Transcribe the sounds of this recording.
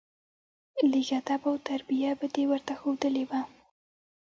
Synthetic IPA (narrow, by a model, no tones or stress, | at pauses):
lɪɣat̪abawt̪aɾbijabəd̪ewəɾt̪axod̪əlewa